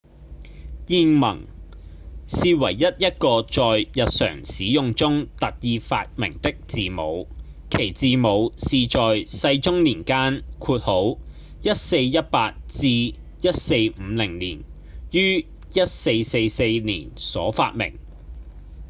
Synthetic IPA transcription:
jiː˧ŋmɐ̰˨˩ŋ | siː˨˧wɐ̰˨˩jːɐ˥t̚jɐ˥t̚kɔː˧t͡ʃɔː˨jjɐ˨t̚sœ̰ː˨˩ŋsiː˨˥jʊ˨˧ŋt͡sʊ˥ŋt̪ɐ˨t̚jiː˧fa̰ː˧t̚mɪ̰˨˩ŋt̪ɪ˥k̚tt͡siː˨mo˨˧w | kʰe˨˩jt͡siː˨mo˨˧wsiː˨t͡ʃɔː˨jsɐ˧jt͡ʃʊ˥ŋniː˨˩nkaː˥nkʰuː˧t̚ho˨˥w | jɐ˥t̚se˧jjɐ˥t̚paː˧t̚t͡siː˧ | jɐ˥t̚se˧jm̩ː˨˧lɪ˨˩ŋlḭː˨˩n | jyː˥ | jɐ˥t̚se˧jse˧jse˧jnḭː˨˩nsɔ̰ː˨˥fa̰ː˧t̚mɪ̰˨˩ŋ

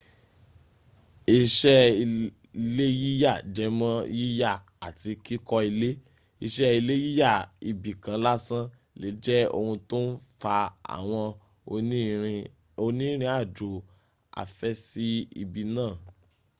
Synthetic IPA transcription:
i˦˧ʃɛ˦˧ | le˦ji˦ja˦˨d͡ʒɛ˨˦mã˦ji˦ja˦˨ | a˨ti˧ki˦kɔ˧i˧le˦ | i˧ʃɛ˦i˧le˦ji˦ja˦˨i˨bi˨kã˨˦la˦sã˦ | le˨˦d͡ʒɛ˦o̰˧hũ˧to˦n̩˦fa˧a̰˨w̃ɔ̃˧˦˧ | o˧nĩ˦ɾ̃ĩ˧˦a˦˨d͡ʒo˨ | a̰˨fɛ˦si˦ḭ˧bi˧nãː˦˨

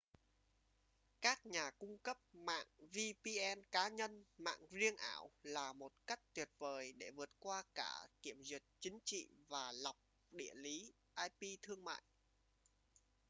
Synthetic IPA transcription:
kaː˦˥k̚ɲaː˨˩kʊ˧ŋ͡mkə˦˥p̚ma̰ː˧˨ŋvi˧pi˧ʔɛ˧nkaː˨˦ɲə˧nma̰ː˧˨ŋzi˧əŋʔaː˧˩wlaː˨˩mo˨˩t̚ka˦˥jk̟̚t̪wi˨˩ət̚vəː˨˩jɗe˧˩vɨ˨˩ət̚kwaː˧ka̰ː˧˩ki˧˩əmzwi˨˩ət̚t͡ɕï˨˦ŋ̟t͡ɕḭ˧˨vaː˨˩la˨˩wk͡p̚ | ɗḭ˧˩əli˨˦ | ʔaː˧jpi˧t̪ʰɨ˧əŋma̰ː˧˨j

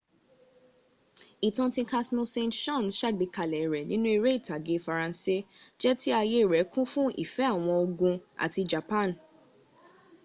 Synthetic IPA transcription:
i˨tɔ̃˧tĩ˧ka˧smõ˧sẽ˧ntʃɔ̃˦˨nʃa˦˨ɡ͡be˨˧˦ka˨lɛ˨ɾɛ˨nĩ˦nũ˦e˧ɾe˦i˦˨ta˨ɡe˨˧˦fa˧ɾã˧n˦se˦d͡ʒɛ˦ti˦a˧je˦i˨ɾɛ˨˦kũ˦fũ˦ḭ˦˨fɛ˨˦a˦˨w̃ɔ̃˧o˧ɡũ˧a̰˨ti˧d͡ʒa˨pã˦˨n˨

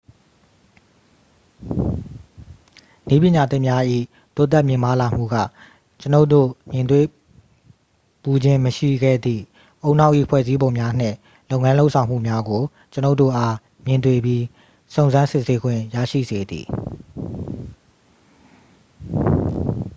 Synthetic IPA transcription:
ni˦pjɪ̃˨ɲa˨t̪ɪ˦ʔmja˦ʔḭ˦˨ | t̪o˦˨t̪̬ɛ˦ʔmjɪ̃˨mba˦la˨m̥ṵ˦˨ɡä̰˦˨ | t͡ɕə˦no˦to̰˦˨mjɪ̃˨nt̪̬we˦˨ | pu˨d͡ʑɪ̃˦məʃḭ˦˨ɡɛ̰˦˨d̪ðḭ˦˨ | ʔo˦˨ʊ̃n̥a˦ʊʔḭ˦˨pʰwɛ̰˦˨zi˦bõ˨ʊ̃mja˦n̥ɪ̰̃˦˨ | lo˦ʊ̃˨ŋã˦lo˦ʊʔsʰã˨ʊ̃m̥ṵ˦˨mja˦ɡo˨ | t͡ɕə˦no˦ʊtːo̰˦˨ʔa˦ | mjɪ̃˨nt̪̬we˦˨bji˦ | sõ˨ʊ̃nzã˦nsɪ˦ʔse˦ɡwɪ̰̃˦˨jä̰˦˨ʃḭ˦˨ze˨d̪ḭ˨

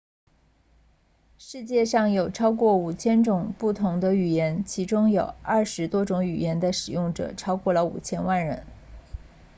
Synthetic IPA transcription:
ʂɻ̩˥˧t͡ɕjɛ˥˧ʂɑ˥˩ŋjo˨˩ʊʈ͡ʂʰɑ˥ʊkwɔ˥˩u˨˩t͡ɕʰjɛ˥nʈ͡ʂʊ˨˩ŋpu˥˩t̪ʰʊ˧˥ŋd̪ə˧y˨˩jɛ˧˥nt͡ɕʰi˧˥ʈ͡ʂʊ˥ŋjo˨˩ʊɐ˥˩ʂɻ̩˧˥t̪wɔ˥ʈ͡ʂʊ˧˥ŋy˨˩jɛ˧˥nd̪ə˧ʂɻ̩˨˩jʊ˥˩ŋʈ͡ʂɤ̰˨˩ʈ͡ʂʰɑ˥ʊkwɔ˥˩lə˩ṵ˨˩t͡ɕʰjɛ˥nwa˥˩nɻə˧˥n

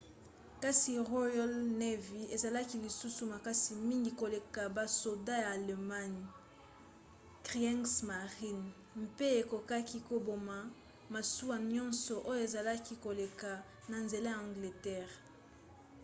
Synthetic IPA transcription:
ka˦si˨ʁo˦jɔ˦lne˦vi˨e˨za˨la˦ki˦li˨su˦su˨ma˨ka˦si˨mi˦ŋɡi˨ko˨le˨ka˨ba˨so˨da˦jaː˨le˨ma˦ɲ˨ | kʁi˨a˦ŋsma˨ʁi˦n | mpe˦e˨ko˨ka˦ki˦ko˨bo˨ma˨ | ma˨su˦wa˨ɲɔ̃˦nsɔ˨ʔo˦jo˦e˨za˨la˦ki˦ko˨le˨ka˨ | na˨nze˨la˦ja˨ã˨ŋɡle˨tɛ˦ʁ

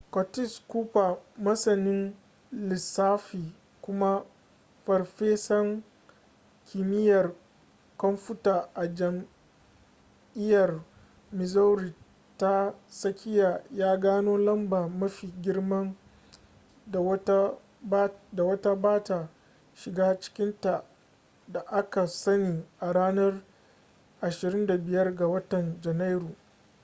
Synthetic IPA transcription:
kɔ˨tɪ˦skuː˦ɸa˨mɐ˦sɐ˨nɪ˦n | lɪ˨saː˦ɸiː˨ | kʷʊ˦ma˦ | ɸɐ˨rɸeː˦sɐ˦ŋ | kʲʰɪ˨mɪ˦jɐ˨r | kɐ˦mɸʊ˦taː˨ʔa˨d͡ʒɐ˨m | ʔɪ˦jɐ˨r | mɪ˨zɐ˦wɾi˨ | ta˦sɐ˦kʲɪ˦jaː˨jaː˦ɡaː˦noː˦lɐ˦mba˨mɐ˦ɸiː˨ɡʲɪ˦rmɐ˦ŋ˨˦ | da˨wɐ˦ta˦baː˦ta˨ | ʃɪ˨ɡaː˦t͡ʃɪ̥˦kʲɪ˦nta˨ | da˨ʔa˦ka˨sɐ˦niː˨ʔa˨ɽaː˦nɐ˦r | ʔa˨ʃɪ˨ɾɪ˦nda˨bɪ˨jɐ˦rɡa˨wɐ˦tɐ˨nd͡ʒɛ˨na˦jɾu˨

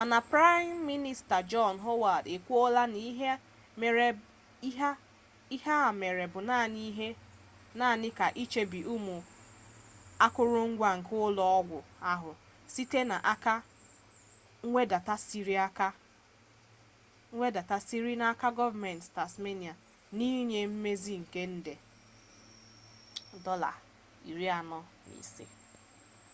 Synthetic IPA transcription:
a˨na˨pɾa˦mːi˦ni˦sta˨d͡ʒɔ˦˨nɦo˦wa˨de˨kʷu˦o˦la˦ni˦ɦe˦ | me˨ɾe˦ | ɦa˦ | i˦ha˦a˨me˨ɾe˨bʊ˨naː˦˨ni˦ɦe˦ | na˦˨nɪ˦ka˨ʔi˦t͡ʃe˦bi˨ʔu˦mu˨ | a˦kʷʊ˦ɾʊ˦ŋ̩˦ɡʷa˨ŋ̩˨kʊ˦lɔ˦ɔ˦ɡʷʊ˨a˦ɦʊ˨ | si˦te˦na˨ʔa˦ka˦ | ŋ̩˦ŋʷe˦da˨ta˦si˦ɾa˦ka˦ | e˦da˨ta˦si˦ɾi˦na˨a˦ka˦ɡɔ˦va˦˨me˨n˨tta˨sme˦ni˨a˨ | ni˦ɲe˨m̩˦me˦zi˦ŋ̩˨ke˦n̩˦de˨ | dɔ˦la̰˨ | ḭ˨ɾi˦a˨nɔ˦ | nḭ˨sḛ˦

